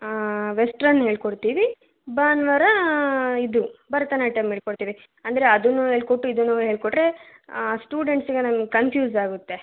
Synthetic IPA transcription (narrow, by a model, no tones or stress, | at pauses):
ʋesʈɾɐnːɦe̞ːɭkoɽt̪iːʋi | baːnʋɐɾɐid̪ubɐɾɐt̪ɐnɐʈɐmɦeːɭkoɽt̪iːʋi | ɐnd̪ɐɾeɐd̪unːuɦeːɭkoʈːuid̪unːuɦeːɭkoʈɾe̞sʈuːɖe̞ɳʈsiɡenɐmɐɡekɐnpʰjuːzaːɡut̪ːe̞